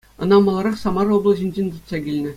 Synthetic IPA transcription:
ɤ̆nɑmɑ̆lˠɑɾɑχsɑmɑroblˠɤ̆ʑɘ̆nʲd͡ʑenʲt̪ɤ̆t̪sɑkʲilʲnʲɘ̆

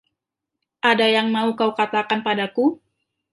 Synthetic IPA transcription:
ʔadajaŋmaukawkat̪akanpadaku

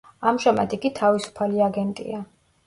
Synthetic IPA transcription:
amʒamad̪iɡit̪ʰavisu̥pʰaliaɡɛnt̪ʼḭa

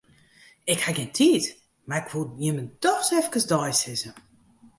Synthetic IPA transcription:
ɪkhaɡɪntʰiːt | marɪkʰʋojɪməd̥ɔxsɛfkəsdɔjsɪzə

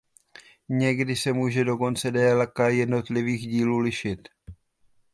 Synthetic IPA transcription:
ɲɛɡdɪsɛmuːʒɛdo̞ko̞nt͡sɛdɛːlakajɛdno̞t̪lɪviːxɟiːluːlɪʃɪt̪

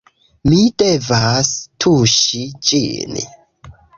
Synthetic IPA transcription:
mide̞vastʰuʃid͡ʒḭn

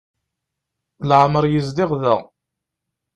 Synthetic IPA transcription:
lʕməɾˤjizd̪ɪʁðə̰ʁ

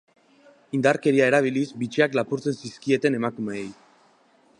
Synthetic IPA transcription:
ind̪aɾke̞ɾiae̞ɾaβ̞ilizbit͡ʃiaklapuɾt͡se̞nsiskie̞t̪e̞ne̞makumeej

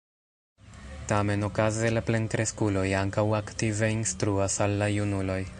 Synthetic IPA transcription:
tame̞no̞kaze̞laple̞ŋkɾe̞skulo̞jaŋkawaktive̞instɾuasalːajunulo̞j

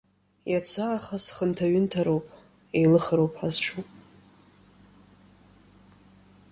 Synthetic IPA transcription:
jat͡sʰaːχasχəntʰaɥɪntʰaɾowpʼ | ejlɨχəɾowpʼħazʈ͡ʂʰupʼ

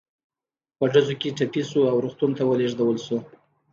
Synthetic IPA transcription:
pəɖazokeʈapisuawɾuxt̪unt̪awəleʐd̪awəlsu

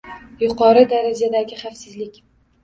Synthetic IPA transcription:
jʊqʰɒɾɪd̪aɾad͡ʒad̪aɡʲɪχafsɪzlɪkʲ

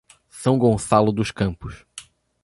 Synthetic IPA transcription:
sɐ̃w̃ɡõsalʊd̪ʊʃkɐ̃mpʊʃ

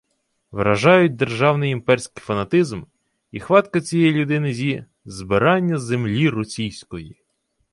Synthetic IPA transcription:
ʋɾɐʒɑjʊt̚ʲd̪erʒɑwnɪjimpɛrʲsʲkɪjfɐnɐt̪ɪzm | ixʋɑt̪kɐt͡sʲijɛjlʲʊd̪ɪnɪzʲi | zbɪɾɑnʲːɐzemlʲirɔsʲijsʲkɔji

